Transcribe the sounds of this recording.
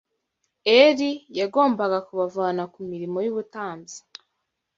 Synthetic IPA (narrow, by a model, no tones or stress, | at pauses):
eɾijaɡo̞ːmbaɡakuβavaːnakumiɾimo̞juβutaːmzi̥